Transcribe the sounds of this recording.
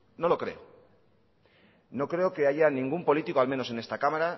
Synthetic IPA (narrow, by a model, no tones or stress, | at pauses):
no̞lo̞kɾe̞̰o | no̞kɾe̞oke̞aʝanĩŋɡumpo̞lit̪ikoalme̞no̞se̞nest̪akamaɾa